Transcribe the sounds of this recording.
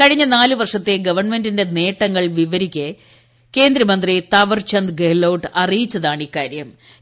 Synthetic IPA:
kɐɻiɲːɐnaːlɨʋɐrʂɐt̪ːeɡɐʋɐrɳme̞ndinde̞ne̞ːʈːɐŋːɐɭʋiʋɐɾikʲːe | ke̞ːnd̪ɾɐmɐnd̪rit̪ɐʋɐrt͡ɕɐnd̪ɡelːɐwʈɐrijit͡ɕːɐðaːɳikːaːɾjɐm

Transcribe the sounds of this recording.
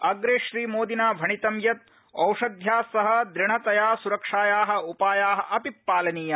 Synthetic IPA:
ɐɡɾeːʃɾiːmoːd̪inaːbʱɐɳit̪ɐmjɐt̪̚ | ɐwʂɐd̪ʱjaːsɐɦɐ̆d̪ɾɪɳɐt̪ɐjaːsuɾɐkʂaːjaːɦɐ̆upaːjaːɦɐ̆ʔɐpipːaːlɐniːjɐ

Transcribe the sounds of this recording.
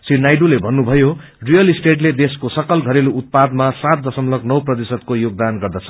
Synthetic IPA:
sinajɖulebʱʌnːubʱʌjo | rijʌlisʈeʈled̪eskosʌkʌlɡʱʌɾelout̪̚pad̪masat̪̚d̪ʌsʌmlʌknʌwprʌt̪isʌd̪̚kojoɡ̚d̪anɡʌrd̪ʌt͡sʰʌ

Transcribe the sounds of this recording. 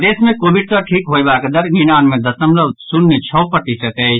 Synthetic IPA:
d̪esmẽkobiɖ̚səʈʰikɦobakd̪əɾɡinanmẽd̪əsəmləbsunːet͡ʃʰɔːpəʈisət̪ɛt͡ʃ

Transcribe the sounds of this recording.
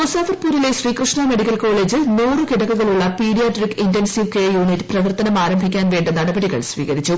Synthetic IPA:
mosaːfɐrpuːɾileɕriːkrɨʂɳɐme̞ɽikʲːɐlko̞ːɭe̞ːd͡ʑɨneːrɨkiɽɐkːuɣɐɭuɭːɐpiːɽijaːʈrikintensiʋkejuːnitːɨ̥prɐʋɐrt̪ɐnɐmaːɾɐmbʱikʲːaːnʋe̞ːɳɖɨnɐɽɐbɐɽiɣɐ̰ɭsʋḭːɣɐɾit͡ɕːu

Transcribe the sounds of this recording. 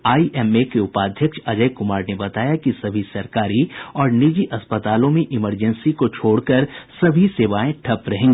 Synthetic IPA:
aːiʔɛːmekeʊpaːd̪ʱjəkʃɐd͡ʒəjkʊmaːɾnebɐt̪aːjakisɐbʱisɐɾkaːɾiɔːɾnid͡ʒiʔɐspət̪aːlõmẽʔɪməɾd͡ʒənsikot͡ʃʰoːɽkɐɾsɐbʱiseːʋaːẽʈʰɐpɾɐɦẽːŋɡeː

